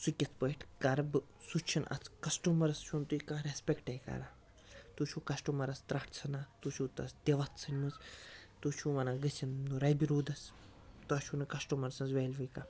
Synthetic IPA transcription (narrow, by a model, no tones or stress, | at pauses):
sukʲit̪ʰpəjʈʰkɐɾɐbɨ | sut͡ʃʰinʔɐ̰t͡sʰkɐsʈumɐɾɐst͡ʃʰunt̪uikãːɾespʲekʈɐjikɐ̰ɾaː | t̪ut͡ʃʰukɐsʈumɐɾɐst̪ɾɐʈʰt͡sʰɨnat̪ut͡ʃʰuːt̪ɐsd̪ʲeʋɐt̪ʰsʰɨnʲmuzt̪ut͡ʃʰũːʋɐnaɡɨt͡sʲʰinnuɾɐjbiɾuːd̪ɐs | t̪uɐt͡ʃʰunɨkɐsʈumɐɾsɐnzʋeːlʲʋɨjka